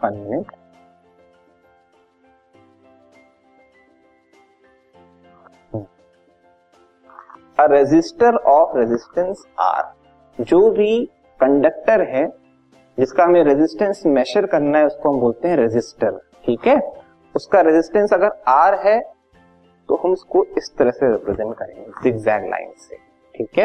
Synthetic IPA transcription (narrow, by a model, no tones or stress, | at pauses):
fɐ̃nmẽʈ | əɾɪd͡ʒɪsʈəɾɔːfɾɪzɪsʈə̃ns | a̰ːɾ | d͡ʒoːbʱi | kɐ̃ɳɖək̚ʈəɾɦɛ | d͡ʒɪskaɦɐmẽɾɪzɪsʈə̃nsmɛʃəɾkɐɾnaɦɛʊskoɦɐmboːlt̪eɦɛ̃ɾɪd͡ʒɪsʈəɾ | ʈʰiːkɦɛː | ʊskaɾɪzɪsʈə̃nsɐɡəɾaːɾɦɛ | t̪oɦɐmʊskoɪst̪əɾəɦseɾɪpɾɛzɛ̃ɳʈ̚kɐɾḛ̃ːŋɡɪsɪɡzɛːk̚ʈla̰ːɪnsḛ | ʈʰiːkɦɛː